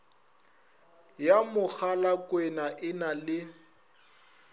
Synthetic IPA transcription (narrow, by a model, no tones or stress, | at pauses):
jamʊk͡xʰalakʼwɛnaʔɪnalɪ